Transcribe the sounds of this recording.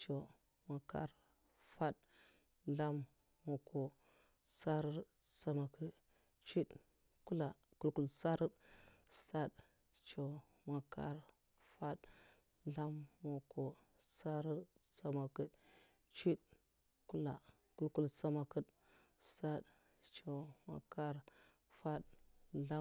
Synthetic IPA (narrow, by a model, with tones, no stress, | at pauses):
t͡ʃo˨ | ma˨ka̰˨ɾ | fa˦d | la˦mː | o˨ko˨ | sa˦ɾə˦ɾ | sa˨ma˨kə˨ | t͡ʃi˦ | ku˦la˨ku˦lku˦lsa˦ɾə˦dsa˦d | t͡ʃo˨ | ma˨ka̰˦ɾ | fa˦d | la˦mːo˨ko˨ | sa˦ɾə˦ɾsa˨ma˨kə˨d | t͡ʃi˦t | ku˦la̰˨ | ku˦lku˦lsa˦ma˨kə˦d | sa˦ɗ | t͡ʃo˨ma̰˨ka˦ɾ | fa˦dla˦